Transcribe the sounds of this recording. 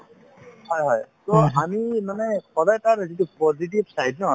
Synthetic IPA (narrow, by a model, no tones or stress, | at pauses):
hɔjɦɔjtɔamimanɛkʰɔdajtaɹzitupɔzit̬ibsajdnɔ